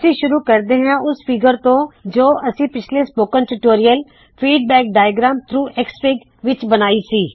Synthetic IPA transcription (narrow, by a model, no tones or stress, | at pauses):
əsĩːʃʊɾuːkəɾd̪eːɦãːʔʊspʰɪɡəɾt̪õːd͡ʒoːʔəsĩːpɪt͡ʃʰleːspoːkə̃nʈuːʈoːɾijəl | pʰiːɖ̚bɛːk̚ɖaːjɡɾaːmt̪ʰɾuːʔɛkspɪɡ | ʋɪt͡ʃbənaːiːsiː